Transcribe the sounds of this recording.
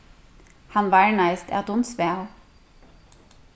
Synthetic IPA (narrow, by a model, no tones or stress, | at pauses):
hɑnʋɑːɹɳæɪst̪ʰæ̰ːd̪ʊnsʋeːl